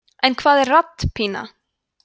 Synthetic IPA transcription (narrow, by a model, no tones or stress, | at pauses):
ɛnkʰvaːðɛɾrat̪ːpʰiːna̰